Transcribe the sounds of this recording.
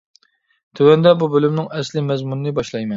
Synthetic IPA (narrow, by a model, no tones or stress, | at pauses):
t̪ʰywɛnd̪ɛbubølymnɪŋɛslɪmɛzmunɨnɨbɑʃlˠɑjmɛn